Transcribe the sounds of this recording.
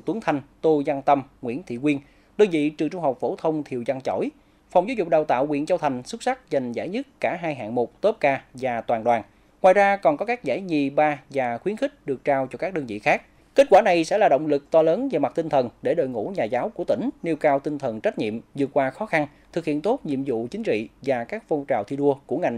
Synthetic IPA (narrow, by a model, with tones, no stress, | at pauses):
t̪u˨˦əŋt̪ʰa˨˧˩jŋ̟t̪o˧za˧ŋt̪ə˧mŋwḭ˧˥ənt̪ʰḭ˧˨kwi˧ən | ɗəː˧nvḭ˧˨t͡ɕɨ˨˩əŋt͡ɕʊ˧ŋ͡mɦa˨˩wk͡p̚fo˧˩t̪ʰə˧wŋ͡mt̪ʰi˨˩əwza˧ŋt͡ɕo̰˧˩j | fa˨wŋ͡mzaː˨˦wzʊ˨˩k͡p̚ɗaː˨˩wt̪a̰ː˧˨wkwḭ˧ənt͡ɕa˧wt̪ʰa˨˩jŋ̟su˦˥t̚sa˦˥k̚za˨˩ŋ̟zaː˧˩jɲɨ˦˥t̚kːaː˧˩ɦaː˧jɦa̰ː˧˨ŋmo˨˩t̪o˦˥p̚kaː˧vaː˨˩t̪waː˨˩nɗwaː˨˩n | ŋwaː˨˩jzaː˧kɔ˨˩nkɔ˨˦kaː˦˥k̚za̰ː˧˩jɲi˨˩ɓaː˧vaː˨˩xwi˨˦ənxï˦˥k̟̚ɗɨ˨˩ək̚t͡ɕaː˧wt͡ɕɔ˧kaː˦˥k̚ɗəː˧nvḭ˧˨xaː˦˥k̚ | ke˦˥t̚kwaː˧˩na˨˩jsɛ̰˧˥laː˨˩ɗo̰˧˨wŋ͡mlɨ˨˩k̚t̪ɔ˧ləː˨˦nvaː˨˩ma˨˩t̪ï˧n̟t̪ʰə˨˩nɗe˧˩ɗo̰˧˨jŋṵ˧˥ɲaː˨˩zaː˨˦wku˧˩ət̪ï˧˩ŋ̟ni˧əwkaː˧wt̪i˧ŋt̪ʰə˨˩nt͡ɕa˦˥t̚ɲḭ˧˨əmzɨ˨˩ət̚kwaː˧xɔ˨˦xa˧n | t̪ʰɨ˨˩k̚hḭ˧˨nt̪o˦˥p̚ɲḭ˧˨əmzṵ˧˨t͡ɕï˨˦ŋ̟t͡ɕḭ˧˨vaː˨˩kaː˦˥k̚fo˧t͡ɕa̰ː˨wt̪ʰi˧ɗu˧əku˧˩əŋa˨˩jŋ